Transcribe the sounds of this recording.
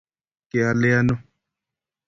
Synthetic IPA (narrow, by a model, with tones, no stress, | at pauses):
ke˨a˨le˦a˦no˦